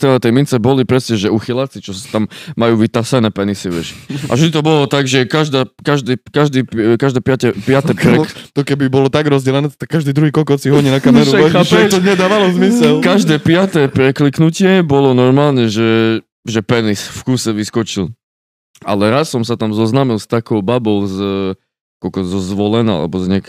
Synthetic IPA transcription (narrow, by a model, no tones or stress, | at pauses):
t̪ɛlat̪ɛjmint͡sɛbɔlipɾɛsɲɛʒɛuxilat͡sit͡ʃɔst̪amːajuːʋit̪asɛnɛːpɛnisiʋɪɛ̰ʃa̰ʒit̪ɔbɔlɔt̪aɡʒɛkaʒd̪aːkaʒd̪iːkaʒd̪iːpkaʒd̪ɛːpɪatɛpɪat̪ɛpɾɛt̪ɔkɛbibɔlɔt̪aɡɾɔzd͡ʑɛlɛnɛːt̪akːaʒd̪id̪ɾuɦiːkɔlkɔt͡siɦɔɲinakaɛɾuaapɛt̪ɔɲɛd̪aːʋalɔzmisɛlkaʒd̪ɛːpɪat̪ɛːpɾɛkliknucɪɛbɔlɔnɔɾmaːlɲɛʒɛ | ʒɛpɛnisfkusɛʋiskɔt͡ʃil | a̰lɛɾasːɔmsat̪amzɔznamilˠst̪akɔʊbabɔʊz | kɔkɔzɔzʋɔlɛna̰ːa̰lɛ̰bɔzɲɛka